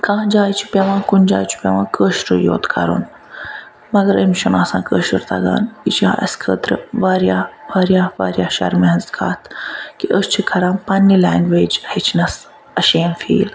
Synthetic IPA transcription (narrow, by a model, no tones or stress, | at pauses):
kãːd͡ʒaːjt͡ʃʰi̥pʲeʋãːkund͡ʒa̰ːjt͡ʃʰi̥pʲeʋãːkəʃɾəjo̰ːt̪kʰɐɾṵn | mɐɡəɾemʃunaːsã̰ːkəːʃəɾt̪a̰ɡa̰ːnit͡ʃʰiã̰ʔɐ̰skʰəːt̪ɾəʋaːɾjaʋaːɾjaːʋa̰ːɾjaːʃɐ̰ɾmeɐ̃nzkʰaːt̪ʰkiʔəst͡ʃʰikʰɐɾãːpanːilaːŋɡʋeːd͡ʒhet͡ʃʰinɐs | ɐʃeːnfḭːl